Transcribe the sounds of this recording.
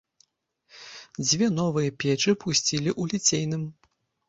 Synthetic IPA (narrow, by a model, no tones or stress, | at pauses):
d͡zʲvʲɛnɔvɨjɐpʲɛt͡ʂɨpʰusʲt͡sʲilʲiʔulʲit͡sʲejnɨm